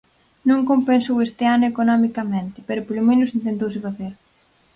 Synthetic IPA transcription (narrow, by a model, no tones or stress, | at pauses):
nõŋkompensowest̪ɪanʊekonɔmikɐmẽnt̪ɪ̥peɾʊpolʊmenʊsint̪ent̪ows̬ɪfaθeɾ